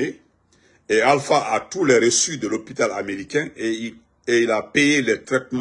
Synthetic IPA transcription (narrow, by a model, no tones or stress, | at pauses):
e | ealfaʔatulɛɾesyd̪əlopitalameɾikɛ̃ | eilapejelɛt̪ɾɛt̚m̃